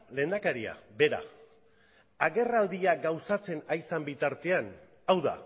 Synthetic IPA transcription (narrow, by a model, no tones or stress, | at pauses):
le̞ːnd̪akaɾia̰be̞ɾa̰ | aɣe̞rald̪iaɡawsat͡se̞najsambit̪aɾt̪e̞an | awða̰